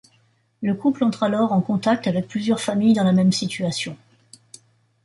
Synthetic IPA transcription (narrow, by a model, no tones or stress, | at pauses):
ləkuplɑ̃t̪χalɔʁɑ̃kɔ̃t̪ak̚t̪avɛk̚plyzjœʁfamijd̪ɑ̃lamɛmsit̪ɥasjɔ̃